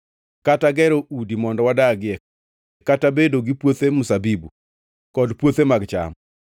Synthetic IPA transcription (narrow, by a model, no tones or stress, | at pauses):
kataɡɛɾoudimɔndɔwadaɡɪɛ | katabedoɡipwot̪emʊsabibu | kɔdpwot̪emaɡt͡ʃa̰m